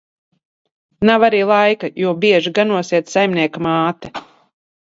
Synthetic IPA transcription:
navaɾiːlˠajkajuɔbiɛʒiɡanuɔsiɛt̪sajmnʲiɛkamaːt̪ɛ

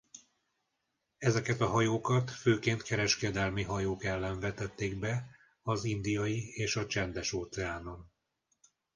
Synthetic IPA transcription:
ɛzɛkɛt̪ɒɦɒjoːkɒt̪føːkeːnt̪kɛɾɛʃkɛd̪ɛlmiɦɒjoːkɛlːɛɱvɛt̪ɛt̪ːeːɡbɛ | ɒzind̪ijɒjieːʃɒt͡ʃɛnd̪ɛʃoːt̪sɛaːno̞n

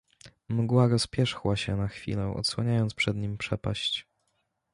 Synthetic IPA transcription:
mɡwaɾɔspʲjɛʂxwaɕɛnaxfʲḭlɛʔɔ̰t̪swaɲajɔnt̪spʂɛd̪ɲimpʂɛpa̰ɕt͡ɕ

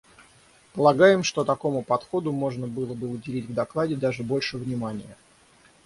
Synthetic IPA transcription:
pəlˠɐɡajɪmʂt̪o̞t̪ɐko̞mʊpɐt̪xo̞d̪ʊmo̞ʐnəbɨlˠəbɨʊdʲɪlʲitʲvd̪ɐklˠadʲɪd̪aʐɨbo̞lʲʂɨvnʲɪmanʲɪjə

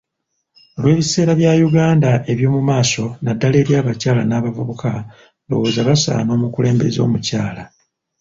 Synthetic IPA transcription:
olwe̞ːβise̞ːɾaβjajuɡaːndaʔe̞βjo̞ːmumaːso̞nadːale̞ːɾjaːβacaːlanaːβavuβuka | lo̞̰wo̞ːzaβasa̰ːno̞ːmukule̞ːmbe̞̰zo̞̰ːmucaːla

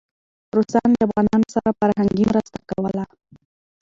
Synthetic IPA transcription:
rusand͡ʒabɣanamsaɾapaɾaɦaŋɡimɾast̪akawala

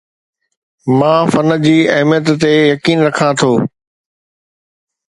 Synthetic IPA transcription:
mãːfɐnə̆d͡ʑiːɐɦmijət̪ːejɐkiːnɾɐkʰãt̪ʰoː

